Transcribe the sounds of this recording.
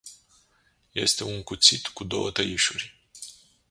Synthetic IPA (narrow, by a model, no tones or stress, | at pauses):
je̞̰st̪e̞uŋkut̪sit̪kud̪o̞̰wət̪əiʃurʲ